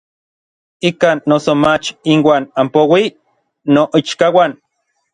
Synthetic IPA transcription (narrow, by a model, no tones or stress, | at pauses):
ikaːnːosomat͡ʃinwaːnampowi | noʔit͡ʃkawan